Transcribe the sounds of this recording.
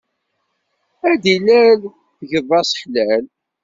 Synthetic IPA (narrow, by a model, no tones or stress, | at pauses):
æd̪ilæl | θʝəðˤːɑsə̥ħlæl